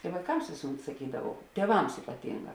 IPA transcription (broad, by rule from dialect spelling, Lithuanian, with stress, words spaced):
ɪ ʋɐɪˈkɐms ˈʋʲeːsʊˌmʲɛt sɐˈkʲiːdɐʋɐʊ tʲiɛˈʋɐms ɪpɐˈtʲɪŋˌɡɑː